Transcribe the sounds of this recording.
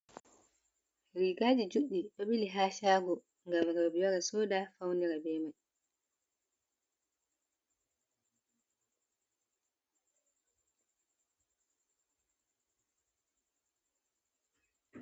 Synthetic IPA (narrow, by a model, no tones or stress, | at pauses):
ɾiːɡaːd͡ʒid͡ʒuɗiɗɔɓiliɦaːʃaːɡɔ | ŋɡamɾbijaɾasɔːdafawniɾabɛːmaj